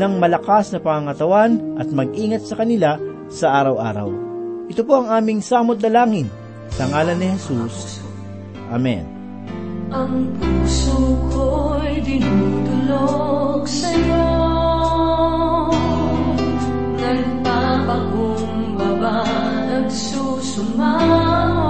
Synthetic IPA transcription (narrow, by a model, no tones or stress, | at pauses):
nɐŋmɐlɐkasnɐpɐŋɐŋɐt̪ɐwanʔɐt̪̚mɐɡ̚ʔiːŋɐt̪̚sɐkɐnɪla | sɐʔaːɾɐwʔa̰ːɾɐ̰wʔɪt̪opo̞ɐŋaːmɪŋsaːmot̪̚nɐlaːŋɪn | sɐŋaːlɐnːɪhɛsus | ʔamɛ̰n | ʔɐŋpuːsokojd̪ɪnut̪ʊloɡsɐjo | nɐɡ̚ | pabaɡo | ŋ | baba | nɐɡsuːsʊma